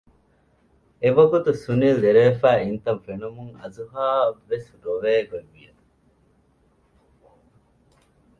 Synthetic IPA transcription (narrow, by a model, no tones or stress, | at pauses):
eʋɐɡut̪usunileɾeːfæːint̪ɐnfenumuŋɐ̰zuɦaːʋesɾoʋeːɡeʋijɐ